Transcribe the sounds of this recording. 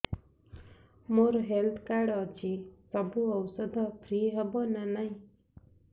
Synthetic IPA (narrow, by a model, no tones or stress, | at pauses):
moɾɦelt̪ʰkaɽɔt͡ʃʰisəbʱuəwsəd̪ʱɔpʰɾiːɦəbonanaĩ